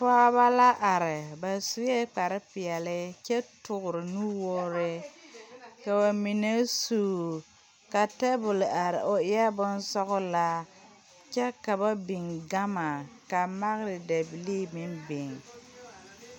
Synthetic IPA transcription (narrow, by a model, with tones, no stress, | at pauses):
pa˦ba˦la˦ʔa˨ɾɪ˨ba˨su˦ɛ˦k͡pa˨ɾɪ˦pɪ˨ɛ˨lɪ˦t͡ʃɛ˦tʊ˨ɣʊ˨ɾɪ˨nu˦woː˦ɾɪ˦ | ka˨ba˨mi˨ne˦suː˨ | ka˨tɛ˦bʊ˨lʔa˨ɾɪ̰˨ʔo˨ɪ˦a˦bʊ˦nsɔ˦ɣʊ˦la˦ | t͡ʃɛ˦ka˨ba˦bɪ˨ŋɡa˦ma˨ka˨ma˦ɣɾɪ˨da˨bi˨li˦mɪ˦nbɪ˨ŋ